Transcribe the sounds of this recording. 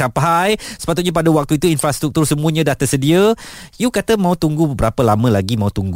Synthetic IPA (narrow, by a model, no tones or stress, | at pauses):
apajsə̥pat̪ut̪̚ɲap̬adawak̚t̪uit̪uinfɾast̪ɾuk̚t̪ursəmũəɲãdaht̪əsədiəjukat̪əmãut̪uŋɡubəbəɾapəlamə̃laɡimãut̪uŋɡ